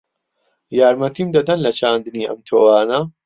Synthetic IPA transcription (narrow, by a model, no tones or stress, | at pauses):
jaːɾmɐt̪ʰiːmd̪ɐd̪ɐnlɐt͡ʃʰaːnd̪ɨniːʔɐ̰mt̪ʰoːwaːnɐ